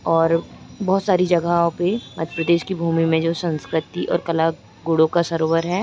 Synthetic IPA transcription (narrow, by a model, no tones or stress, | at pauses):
ɔːɾbɔːt̪saːɾid͡ʒɐɡaõpemɐd̪ʱəpɾəd̪eːʃkibʱuːmimẽd͡ʒoːsə̃nskɾɪt̪iʔɔ̰ːɾkɐla | ɡoːɽõkasɐɾoːwəɾɦɛː